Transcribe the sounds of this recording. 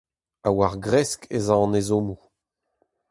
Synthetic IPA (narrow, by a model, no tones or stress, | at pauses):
awaʁɡʁɛskʰezɑ̃nezomu